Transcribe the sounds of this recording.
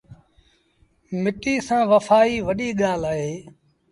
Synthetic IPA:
mɪʈiːsãːʋəfaːiːʋəɗiːɠaːlaːɦeː

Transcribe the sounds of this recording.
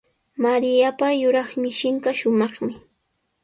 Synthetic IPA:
maɾɪjapajʊɾɑχmɪʃɪŋkaʃʊmɑχmɪ

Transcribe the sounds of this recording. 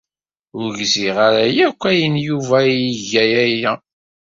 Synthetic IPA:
ʊɾʝziʁaɾæjækʷːæjənjuvæiʝæjæjæ

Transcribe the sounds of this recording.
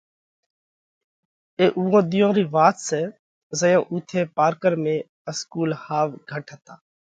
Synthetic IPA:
eːʔuːɦõːɗ̪ɪjõːɾiːʋaːt̪seː | zəjõːʔuːt̪ʰeːpaːɾkəɾmẽː | əskuːlhaːʋɡʱəʈʰɦət̪aː

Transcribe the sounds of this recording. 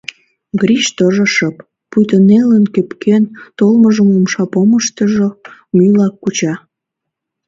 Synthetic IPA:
ɡɾiʃt̪əʒəʃəpː | ujt̪ənelənkøpkʰent̪olməʒəmumʃɑpoməʃt̪əʒomylɑkːut͡ɕɑ

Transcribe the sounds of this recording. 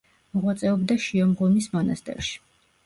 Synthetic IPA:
mɔʁwat̪sʼɛɔbd̪aʃiɔmɡɔmismɔnast̪ʼɛ̰ɾʃi̥

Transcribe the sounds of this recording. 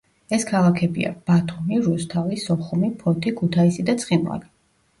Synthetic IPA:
ɛskʰalˠakʰɛbḭa̰b̥at̪ʰumiɾust̪ʰalisɔχumipʰɔt̪ʰikʰut̪ʰaisid̪at̪sʰχinva̰li

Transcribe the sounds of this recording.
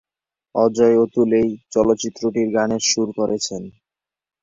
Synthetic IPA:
ɔd͡ʑɔeot̪ulejt͡ɕɔlot̪ːɕit̪ːɾoʈiɾɡaneɾʃuɾkoɾʔet͡ɕʰen

